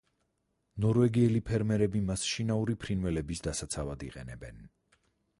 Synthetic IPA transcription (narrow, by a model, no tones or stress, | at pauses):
nɔɾvɛɡiɛlipʰɛɾmɛɾɛbimasʃinauɾipʰɾinvɛlɛbisd̪asat̪sʰavad̪ḭqʼɛ̰nɛbɛn